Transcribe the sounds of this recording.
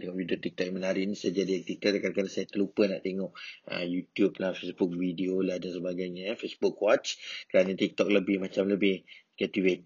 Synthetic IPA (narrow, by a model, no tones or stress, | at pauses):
t̪eŋɔʔvidot̪ik̚t̪ɔʔk̚jamənaɾiʔnisajad͡ʒadiak̚t̪it̪əkanakanasajat̪əlupəna̰ʔt̪eŋɔʔə̰mjut̪jublafesbʊk̚videolahdansəbaɡajɲafesbʊkwɔt͡ʃkəɾanat̪ik̚t̪ɔk̚ləbɪhmat͡ʃamləbɪhɡat̪iwet̪